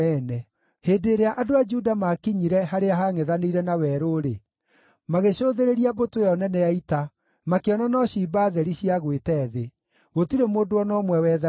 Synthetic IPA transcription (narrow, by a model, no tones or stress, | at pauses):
ɛnɛ | heːdeɾeaʔadoad͡ʒudamakiɲiɾɛɦaɾeaɦaŋeðaneiɾɛnawɛɾoɾe | maɣeɕoːðeɾeɾiabotojɔnɛnɛjaita | makeɔnanɔɕiːbaðɛɾiɕiaɣwetɛðe | ɣotiɾemoːdoɔnɔmwɛwɛða